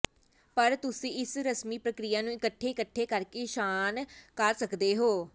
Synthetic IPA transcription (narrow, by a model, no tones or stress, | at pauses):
pəɾt̪ʊsĩːɪsɾəsmiːpɾəkɾɪjaːnũːɪkəʈʰːeːkəʈʰːeːkəɾkeːʃaːnkəɾsəkd̪eːɦoː